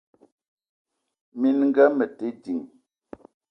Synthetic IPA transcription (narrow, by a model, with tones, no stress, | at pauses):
mi˦nŋ̩˦ɡɛ˦mə˨te˨˦di˨ŋ